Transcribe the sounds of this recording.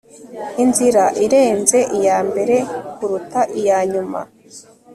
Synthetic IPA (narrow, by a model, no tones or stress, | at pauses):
inziɾaʔiɾe̞ːnze̞ʔijaːmbe̞ɾe̞kuɾutaʔijaːɲuma̰